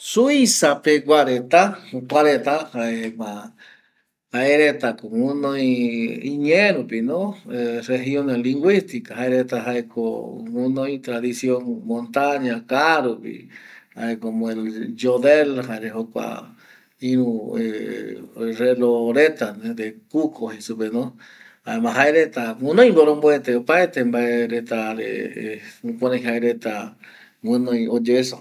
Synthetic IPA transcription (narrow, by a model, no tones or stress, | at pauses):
suisapeɡwaɾet̪aupaɾet̪ahaema | haeɾet̪akoŋũnõjĩiɲẽɾupinõereɦjoneliŋɡwist̪ikaɦaeɾet̪aɦaekʰo̰ũnõjt̪ɾaðisjoŋmõnt̪aɲakaɾupḭha̰ekomõeld͡ʒoðelhaeɾeɦokʷa̰ | ĩɾ̃ũe | reloɾet̪anẽd̪ekukʰohesupenõ | haemãɦaeɾet̪amũnõj̃mboɾomboet̪eopaet̪embaeɾet̪aɾḛ | ũpõnãj̃ɦaeɾet̪a | ŋɨ̃nõj̃od͡ʒeeso